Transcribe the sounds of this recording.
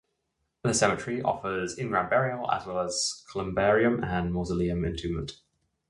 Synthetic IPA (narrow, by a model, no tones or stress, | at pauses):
ðəsɛmət͡ʃɹ̥iʔɒ̰fəzɪ̃nɡɹãmbɛɹiəə̰zwɛləz̥kʰələ̃mbɛːɹiə̃mə̃nmɔzəliə̃mɪ̰̃ntʰʉːmə̰̃nt